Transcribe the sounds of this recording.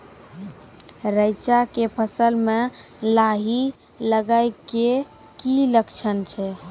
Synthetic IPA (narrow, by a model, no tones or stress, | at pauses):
ɾəɪt͡ʃakepʰəsəlme | laɦi | ləɡaɪke | kiləkt͡ʃʰənt͡ʃʰɛ